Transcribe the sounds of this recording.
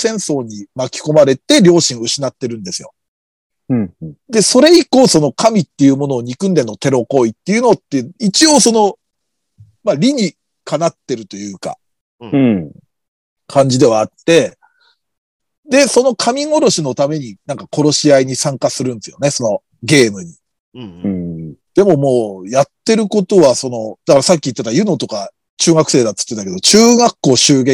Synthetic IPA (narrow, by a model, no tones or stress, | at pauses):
sẽ̞ɰ̃so̞ːɲ̟imakʲi̥ko̞maɾe̞t̪e̞ɾʲo̞ːɕĩɰɯ̟ɕinat̪ːe̞ɾɯ̟̃nd̪e̞sɨjo̞̰ | d̪e̞so̞ɾe̞iko̞ːso̞no̞kamʲit̪ːe̞jɯ̟ːmo̞no̞ːɲ̟ikɯ̟̃nd̪e̞nːo̞t̪e̞ɾo̞ko̞it̪ːe̞jɯ̟not̪ːeit͡ɕio̞ːso̞no̞ | maɾʲiɲ̟i | kʰanat̪ːe̞ɾɯ̟t̪o̞jɯ̟ːka̰ | kʰãɲ̟d͡ʑid̪e̞βaːt̪ːe̞ | d̪e̞so̞no̞kʰamʲiŋo̞ɾo̞ɕino̞t̪ame̞ɲ̟inãŋkakʰo̞ɾo̞ɕiaiɲ̟isãŋkasɨɾɯ̃nd̪esɨjone̞so̞no̞ | ɡe̞ːmɯ̟ɲ̟i | d̪̥e̞mo̞mo̞ːjat̪ːe̞ɾɯ̟ko̞t̪o̞βaso̞no̞d̪̥akaɾasakʲːiːt̪ːet̪ajɯ̟no̞t̪o̞ka | t͡ɕɨːɡakɯ̟se̞ːd̪at̪ːɨ̥t̪ːet̪ake̞d̪o̞t͡ɕɨːɡakːo̞ːɕɨːɡẽ